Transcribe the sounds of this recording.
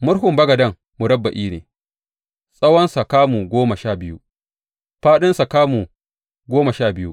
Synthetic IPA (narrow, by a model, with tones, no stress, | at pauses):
mʊ˦ɽɦʊ˨mbɐ˦ɡɐ˨dɐ˦ŋ | mu˨ɽɐ˦bːa˨ʔiː˦nḛː˨ | sʼɐ˦wɐ˦nsa˨kaː˦mu˨ɡʷoː˦mɐ˨ʃa˦˨bɪ˦jṵ˦ | ɸaː˦ɗɪ˦nsa˨kaː˦mu˨ | ɡʷoː˦mɐ˨ʃaː˦˨bɪ˦jṵ˦